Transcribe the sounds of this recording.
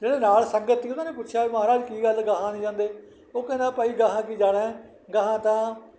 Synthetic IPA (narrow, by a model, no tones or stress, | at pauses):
d͡ʒeːɽeːnaːlsəŋɡət̪ːiːt̪ʊnãːnẽːpʊtːʃʰjaːeːməɦaːɾaːd͡ʒkiːɡəlɡəɦãːnĩːd͡ʒãːnd̪eː | oːkẽːnãːpaːiːɡəɦãːkiːd͡ʒaːɽẽː | ɡəɦãːt̪ãː